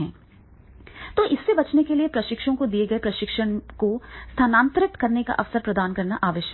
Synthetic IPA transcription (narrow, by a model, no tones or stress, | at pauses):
ɛ̃ː | t̪oːʔɪsːebɐt͡ʃnekeliepɾɐʃɪkʃõkod̪ieɡɐepɾɐʃɪkʃəɽ̃kost̪ʰaːnãːnt̪ɾɪk̚t̪kɐɾneka̰ʔɐfsəɾpɾɐd̪aːnkɐɾnaʔaːʋɪʃ